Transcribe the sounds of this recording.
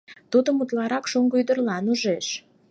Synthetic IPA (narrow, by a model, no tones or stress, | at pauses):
t̪ud̪əmut̪lˠɑɾɑkʃuŋɡujd̪ərlɑnuʒeʃ